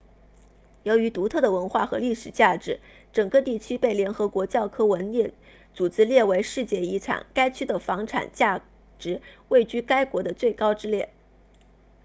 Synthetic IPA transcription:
jo˧˥ʊy˧˥t̪u˧˥t̪ʰɤ˥˩d̪ə˩wə˧˥nxwa˥˩xɤ˧˥li˥˩ʂɻ̩˨˩t͡ɕja˥˩ʈ͡ʂɻ̩˧˥ | ʈ͡ʂɤ˨˩ŋkɤ˥˧t̪i˥˩t͡ɕʰy˥pe˥˩ɪljɛ˧˥nxɤ˧˥kwɔ˧˥t͡ɕjɑ˥˩ʊkʰɤ˥wə˧˥njɛ˥˩ | t͡su˨˩t͡sɹ̩˥˧ljɛ˥˩we˧˥ɪʂɻ̩˥˧t͡ɕjɛ˥˩i˧˥ʈ͡ʂʰɑ̰˨˩ŋka˥ɪt͡ɕʰy˥d̪ə˨fɑ˧˥ŋʈ͡ʂʰa̰˨˩nt͡ɕja˥˩ | ʈ͡ʂɻ̩˧˥we˥˩ɪt͡ɕy˥ka˥ɪkwɔ˧˥d̪ə˧t͡swe˥˩ɪkɑ˥ʊʈ͡ʂɻ̩˥ljɛ˥˩

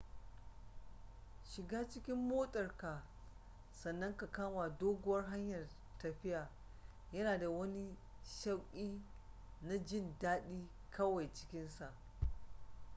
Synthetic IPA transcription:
ʃɪ˨ɡaː˦t͡ʃɪ˦kʲɪ˦mːoː˦tʼɐ˨rka˨ | sɐ˨nːɐ˦ŋka˨kaː˦ma˨doː˦ɡʷʊ˦wɐ˦rɦa˦ɲjɐ˨r | tɐ˨ɸɪ˦jaː˨ | jɐ˦naː˨da˨wɐ˦ni˦ | ʃɐ˦wkʲʼiː˦ | na˦d͡ʒɪ˦˨ndaː˦ɗiː˦ | kɐ˦wa˨jt͡ʃɪ̥˦kʲɪ˦nsa˨ʔ

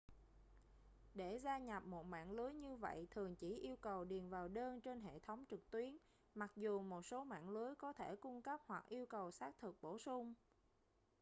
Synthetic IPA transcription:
ɗe˧˩zaː˧ɲa˨˩p̚mo˨˩t̚ma̰ː˧˨nlɨ˨˦əjɲɨ˧və̰˧˨jt̪ʰɨ˨˩əŋt͡ɕi˧˩ʔi˧əwkə˨˩wɗi˨˩ənvaː˨˩wɗəː˧nt͡ɕe˧nɦḛ˧˨t̪ʰə˨˦wŋ͡mt͡ɕɨ˨˩k̚t̪wi˨˦ən | ma˨˩k̚zu˨˩mo˨˩t̚so˨˦ma̰ː˧˨nlɨ˨˦əjkɔ˨˦t̪ʰe˧˩kʊ˧ŋ͡mkə˦˥p̚hwa˨˩k̚ʔi˧əwkə˨˩wsaː˦˥k̚t̪ʰɨ˨˩k̚ɓo˧˩sʊ˧ŋ͡m

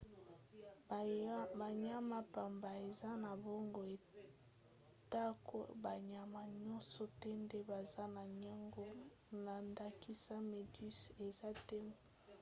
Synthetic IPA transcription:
ba˨ɲa˦ma˦pa˨mba˨e˨za˦na˨bo˦ŋɡo˨e˨ | ta˦ko̰˦ba˨ɲa˨ma˨ɲɔ˦nsɔ˨tɛ˦nde˦ba˨za˦na˨ɲa˦ŋɡo˦ | na˨nda˨ki˦sa˦me˨dy˦se˨za˦tɛ˦m˨

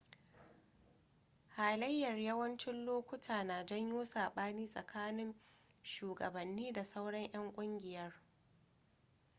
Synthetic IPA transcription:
haː˨lɐ˦jːɐ˨rjɐ˦wɐ˦nt͡ʃɪ˦nloː˦kʷʊ˦tʰaː˨naː˨d͡ʒɐ˦ɲjuː˦saː˨ɓaː˦niː˦sʼɐ˨kʰaː˦nɪ˦n | ʃuː˨ɡɐ̰˨bɐ˨nːiː˦da˨sa˦wɽɐ˦ɲj̰ɐ˦ŋkʷʼʊ˦ŋɡʲɪ˨jɐ˦r

